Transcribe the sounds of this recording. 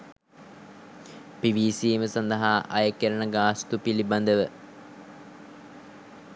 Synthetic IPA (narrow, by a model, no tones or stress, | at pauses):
piʋiːsiːməsand̪ɐɦaːʔɐjəkeɾənəɡaːst̪upiliband̪əʋə